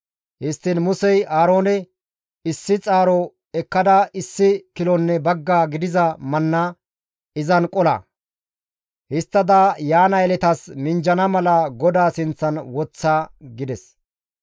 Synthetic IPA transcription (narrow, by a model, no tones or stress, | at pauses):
hɪst̪ːɪnmʊsɛjaːɾo̞ːnɛ | ɪsːɪt͡sʼaːɾɔ | ɛkːɐd̪ɐɪsːɪkɪlɔnːɛbɐɡːaːɡɪd̪ɪzɐmɐnːa | ɪzɐnkʼɔlɐ̰ | hɪst̪ːɐd̪ajaːnɐjlɛt̪ɐsmɪnd͡ʒɐnɐmɐlɐɡɔd̪aːsɪnt͡sːɐnwɔt͡sːaːɡɪd̪ɛs